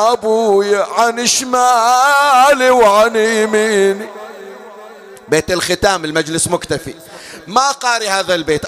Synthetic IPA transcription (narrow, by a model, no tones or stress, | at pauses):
ʔabuːjaʕanɪʃmaː | liwʕanimiːni | beːt̪ɪlxɪt̪aːmɪlmad͡ʒlɪsmʊkt̪afḭ | maʔqɑːɾihaːðalbeːt̪ʔ